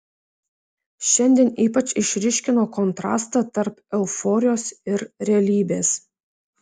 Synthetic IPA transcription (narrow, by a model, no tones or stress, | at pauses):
ʃʲɛnʲd̪ʲiːniːpɐt͡ʃʲɪʃʲɾʲɪʃʲkʲɪnoːkɔnt̪ɾɑ̰ːst̪ɑt̪ɐɾpɛlˠfoːɾʲɪjoːsɪɾɾʲɛɐlʲiːbʲeːs